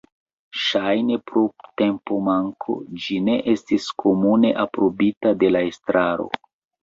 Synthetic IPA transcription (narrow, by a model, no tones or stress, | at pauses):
ʃajne̞pɾote̞mpomaŋkʰo̞̰d͡ʒine̞ʔe̞stiskʰo̞mune̞ʔapɾo̞bitade̞lae̞stɾaɾo̰